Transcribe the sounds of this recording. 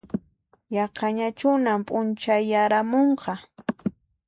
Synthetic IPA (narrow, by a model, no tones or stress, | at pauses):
jɑqɑɲat͡ʃʊnampʼʊnt͡ʃajːaɾamoɴqɑ